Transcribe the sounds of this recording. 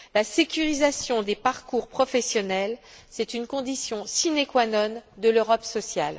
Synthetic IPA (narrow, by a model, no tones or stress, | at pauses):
lasekʲyʁizasjɔ̃d̪epaʁkuʁpχɔfɛsjɔnɛl | sɛt̪ynkɔ̃d̪isjɔ̃sinekwanɔnd̪əløʁɔpsɔsja̰l